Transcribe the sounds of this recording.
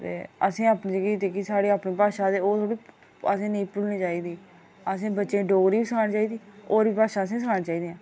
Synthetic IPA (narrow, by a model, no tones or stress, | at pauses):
t̪ḛːəsẽːaːpnĩd͡ʒəɡiːt̪eːkisaːɽiːaːpniːpaːʃãːd̪eːoːt̪ʰoːɽiː | əsẽːnəĩːpɾuːʋnĩːt͡ʃaːiːd̪iː | əsẽːbətːʃẽːɖoːɡɾiːbiːsəkʰaːniːt͡ʃaːiːd̪iːoːɾbiːpaːʃãːəsẽːsəkʰaːniːt͡ʃaːiːd̪ejãː